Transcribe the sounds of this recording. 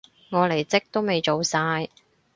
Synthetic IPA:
ŋɔː˨˧le˨˩jt͡sɪ˥k̚t̪o˥wme˨˧jt͡ʃo˨wsaː˧j

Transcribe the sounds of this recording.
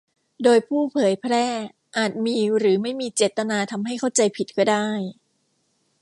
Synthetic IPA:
doː˧jpʰuː˥˩pʰɤː˨˩˦jpʰɾɛː˥˩ | ʔaː˨˩t̪̚miː˧ɾɯː˩˦ma˥˩jmiː˧t͡ɕeː˨˩t̪ːa˧naː˧t̪ʰa˧mɦa˥˩jkʰa˥˩wt͡ɕa˧jpʰi˨˩t̪̚kʰɔː˥˩daː˥˩j

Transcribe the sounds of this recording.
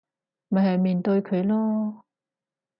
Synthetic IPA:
mɐ˨˩jɦɐ˨jmiː˨˩nt̪ɵ˧ɥkʰɵ˨˧ɥlɔː˥

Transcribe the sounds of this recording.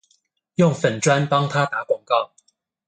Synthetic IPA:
jʊ˥˨ŋfə˨˩nʈ͡ʂwa˦npɑ˦˥ŋt̪ʰa˦t̪a˨˥˦kwɑ˨˩ŋkɑ˥˨ʊ

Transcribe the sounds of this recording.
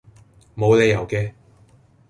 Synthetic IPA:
mo˨˧wle˨˧jɐ˨˩wkɛː˧

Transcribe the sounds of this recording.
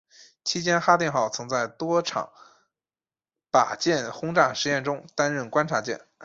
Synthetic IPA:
t͡ɕʰi˥t͡ɕjɛ˥nxa˥t̪jɛ˥˧nxɑ˥˩ʊt͡sʰɤ˧˥ŋt͡sa˥˩ɪt̪wɔ˥ʈ͡ʂʰɑ̰˨˩˦ŋ | pa̰˨˩t͡ɕjɛ˥˩nxʊ˥ŋʈ͡ʂa˥˩ŋʂɻ̩˧˥jɛ˥˩nʈ͡ʂʊ˥ŋt̪a˥nɻə˥˩nkwa˥nʈ͡ʂʰa˧˥t͡ɕjɛ̰˥˩n

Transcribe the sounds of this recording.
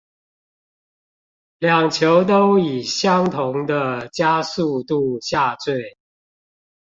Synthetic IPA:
ljɑ˨˩ŋt͡ɕʰjo˨˧˦ʊt̪̬o˦ʊi˨˩ɕjɑ˦ŋt̪ʰʊ˨˦ŋd̪ə˧t͡ɕja˦su˥˧t̪u˥˧ɕja˥˧t͡swe˥˩ɪ

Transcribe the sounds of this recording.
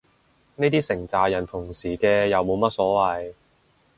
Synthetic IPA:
ne˥jt̪iː˥sɪ˨˩ŋt͡saː˨˩jɐ˨˩nt̪ʰʊ˨˩ŋsiː˨˩kɛː˧jɐ˨wmo˨˧wmɐ˥t̚sɔː˨˥wɐ˨j

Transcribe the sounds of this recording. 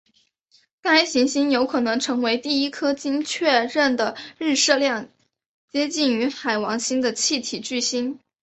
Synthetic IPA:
ka˥ɪɕi˧˥ŋɕi˥njo˧˥ʊkʰɤ˨˩nɤ˧˥ŋʈ͡ʂʰɤ˧˥ŋwe˧˥ɪt̪i˥˩i˥kʰɤ˥t͡ɕi˥ŋt͡ɕʰɥɛ˥˧ɻə˥˩nd̪ə˩ɻ̩˥˧ʂɤ˥˧ljɑ˥˩ŋ | t͡ɕjɛ˥t͡ɕi˥˩ny˧˥xa˨˩ɪwɑ˧˥ŋɕi˥nd̪ə˨t͡ɕʰi˥˩t̪ʰi˨˩t͡ɕy˥˩ɕi˥n

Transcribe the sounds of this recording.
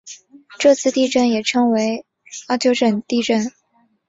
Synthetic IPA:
ʈ͡ʂɤ˥˧t͡sʰɹ̩˥˧t̪i˥˧ʈ͡ʂə˥˩njɛ˨˩ʈ͡ʂʰɤ˥ŋwe˧˥ɪ | ɑ˥˩t͡ɕjo˥ʊʂə˥˨˩nt̪i˥˧ʈ͡ʂə˥˩n

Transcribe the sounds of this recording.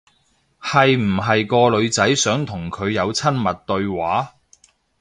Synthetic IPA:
hɐ˨jm̩˨˩ɦɐ˨jkɔː˧lɵ˨˧ɥt͡sɐ˨˥jsœː˨˥ŋt̪ʰʊ˨˩ŋkʰɵ˨˧ɥjɐ˨˧wt͡sʰɐ˥nmɐ˨t̚t̪ɵ˧ɥwaː˨˥

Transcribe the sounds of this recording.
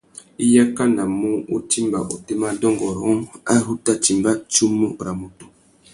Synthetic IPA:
i˦ja˦ka˦na˨mu˦u˦ti˦mba˨ʔo˨te˦ma˦dɔ˦ŋɡɔ˨ɾɔ˦ŋa˦ɾu˦ta˦t͡ʃi˨mba˦t͡ʃu˦mːu˦ɾa˨mo˨to˨

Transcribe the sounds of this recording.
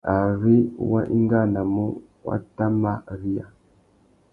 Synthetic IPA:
a˨ɾi˦wa̰˦ʔḭ˦ŋɡa˦˨na˨mu˦ | wa̰˦ta˦ma˦˨ɾi˦a˨

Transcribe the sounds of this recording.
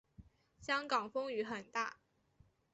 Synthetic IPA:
ɕjɑ˥ŋkɑ˨˩ŋfɤ˥ŋy˧˥xə˨˩nt̪a̰˥˩

